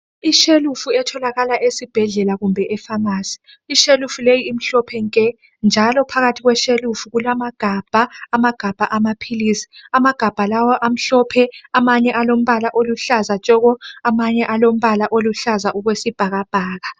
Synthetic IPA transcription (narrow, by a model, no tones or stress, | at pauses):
iʃelufuɛtʰɔlaɣalaʔesib̥ʱɛɮɛlaɣumbʱɛʔɛfamaːsi̥ː | ʃelufulejiːm̩ɬɔpʰɛŋkʼɛ | nd͡ʒʱalɔpʰaɣatʰiɣwɛʃelufuɣulamaɡ̥ʱab̥ʱaːmaɡ̥ʱab̥ʱaʔamapʰilisi̥amaɡ̥ʱab̥ʱalawɔʔam̩ɬɔpʰɛamaɲɛʔalom̩βalaʔoluɬazat͡ʃʼɔɣɔamaɲɛʔalom̩βalaʔoluɬazaʔuɣwesib̥ʱaɣab̥ʱaːɣa